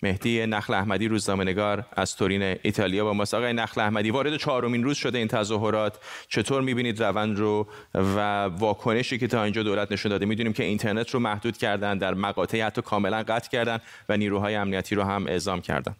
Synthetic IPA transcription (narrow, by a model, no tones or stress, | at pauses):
me̞hd̪̥iːjenæxleæhmæd̪iɾuːznɒːme̞neɡɒːɾæz̥t̪ʰo̞ɾiːneit̪ʰɒːlijɑːbɒːmɒːst̪ɒʁɒːjenæxleæhmæd̪ivɒːɾe̞d̪e̞t͡ʃʰɒːɾo̞minruːz̥ʃo̞d̪eiːnt̪ʰæzɒːɦo̞ɾɒːt̪ʰt͡ʃʰe̞t̪ʰoːɾmibiːniːd̪rævænd̪ɾo | vævɒːkʰo̞ne̞ʃiːce̞t̪ʰɒːind͡ʒɒːd̪olæt̪ʰne̞ʃund̪ɒːd̪emid̪unimce̞int̪ʰe̞ɾnet̪ʰromæhd̪uːd̪̥cʰæɾd̪ænd̪d̪æɾmæɣɒːt̪ʰeihæt̪ʰːɒːkʰɒːme̞lænɢæt̪ʰcʰæɾd̪æn | væniːɾuːɦɒːjeæmnijæt̪ʰiːɾoɦæmʔe̞̰ʔzɒːmcʰæ̰ɾd̪æ̰nd̪